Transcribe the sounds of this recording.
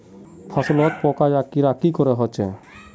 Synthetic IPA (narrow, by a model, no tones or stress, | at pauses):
pʰasɔlɔt̪̚pɔkad͡ʒakiɾakikɔɾeɦɔt͡ʃḛ